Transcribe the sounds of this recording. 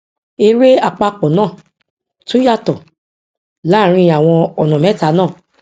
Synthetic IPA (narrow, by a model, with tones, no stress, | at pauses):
e˧ɾe˦a˧˨k͡pa˧k͡pɔ˨nãː˦˨ | to˦ja˦˨tɔ˨ | la˨˦˨ɾ̃ĩ˧a˨w̃ɔ̃˧ɔ˨nɔ̃˨mɛ̃˨˦ta˨˦nãː˦˨